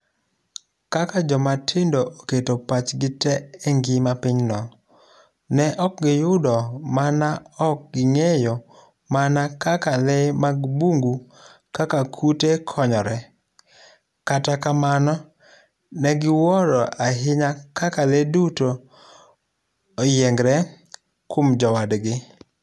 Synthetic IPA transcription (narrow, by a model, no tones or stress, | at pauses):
kakad͡ʒɔmatʰɪndoʔoketopat͡ʃɡɪtɛɛŋɡɪmapɪɲnɔ | nɛʔɔk̚ɡɪjʊdɔmanaɔk̚ɡɪŋejɔ | manakakalɛmaɡbuŋɡukakakʰutekʰɔɲɔɾɛ | katakamanɔ | nɛɡɪwɔɾɔʔaɦɪɲakakaleduto | jɛŋɡɾɛ | komd͡ʒɔwadɡɪ